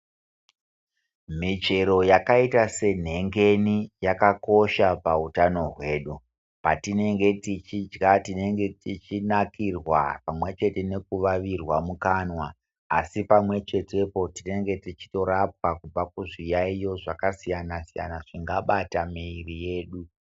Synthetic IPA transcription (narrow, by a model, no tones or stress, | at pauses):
mit͡ʃe̞ɾo̞jakaitase̞n̤e̞ŋɡe̞nijakako̞ʃapautano̞ɦwe̞ːɗu | patine̞ŋɡe̞tit͡ʃid͡ʒɡatine̞ŋɡe̞tit͡ʃinakirwa̰pamwe̞t͡ʃe̞te̞ne̞kuʋaʋirwamukanwaː | sipamwe̞t͡ʃe̞te̞po̞tine̞ŋɡe̞tit͡ʃi̥to̞ɾap̚wakub͡vakuʐijaijo̞ʐakasijanasija̰naʐ̥iŋɡaɓatamiːrije̞ːɗu